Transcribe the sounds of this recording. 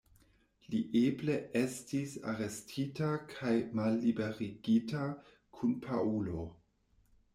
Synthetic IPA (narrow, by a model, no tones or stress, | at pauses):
liʔeble̞e̞stisa̰ɾe̞stʰitakʰajmalːibe̞ʁiɡita | kʰunpʰa̰ulo̞